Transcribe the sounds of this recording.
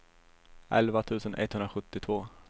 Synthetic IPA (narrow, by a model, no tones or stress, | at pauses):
ʔɛlvat̪ʰʉ̟ːsənʔɛ̰t̪hɵnɾaɧɵt̪ːɪt̪ʰvoː